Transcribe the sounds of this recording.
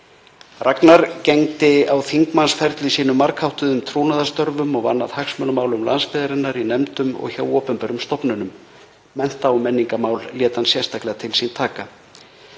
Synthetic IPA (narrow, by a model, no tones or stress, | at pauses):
raknaɾcɛŋt̪ɪawθiŋkmansfɛɾt̪lɪsiːnʏmːaɾkhawht̪ʏðʏmt̪ʰɾuːwnaðast̪œɾvʏmɔɣva̰nːa̰ðhaksmœnmaːwlʏmla̰nspɛːðaɾɪnːaɾinɛmt̪ʏmɔ̰ɣçawɔːpʏmpɛɾʏmst̪ɔpnʏnʏm | mɛn̥t̪awmɛnːiŋkamaːwlljɛːt̪ansjɛst̪ʰahklɛɣat̪ʰɪlsint̪ʰaːka